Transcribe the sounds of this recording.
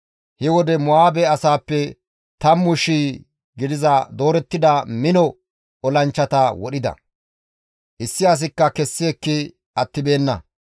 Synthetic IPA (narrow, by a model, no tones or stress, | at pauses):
hɪwɔd̪ɛmʊaːbɛɐsaːpːɛ | t̪ɐmːʊʃiː | ɡɪd̪ɪzɐd̪o̞ːɾɛt̪ːɪd̪ɐmɪnɔ | ʔɔlɐnt͡ʃːɐt̪ɐwɔɗɪd̪ɐ̰ | ʔɪsːɪɐs̬ɪkːɐkɛsːɪːkːɪ | ɐt̪ːɪbe̞ːnːɐ̰